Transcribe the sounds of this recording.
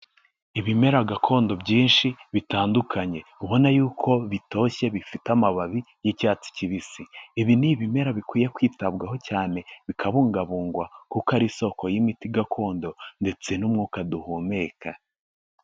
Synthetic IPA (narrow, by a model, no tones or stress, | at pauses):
iβime̞ɾaɡakʰo̞ːndo̞bɟiːnʃiβitaːndukʰaɲe̞uβo̞najuːkʰo̞βito̞ːçe̞βifitamaβaβi | jicaːt͡si̥ciβisiiβiniβime̞ɾaβikwiːjekwiːtabɡaɦo̞caːne̞βikʰaβuːŋɡaβuːŋɡwakukaɾiso̞ko̞jimitiɡakʰo̞ːndo̞nde̞t͡se̞numŋukaduhome̞ːka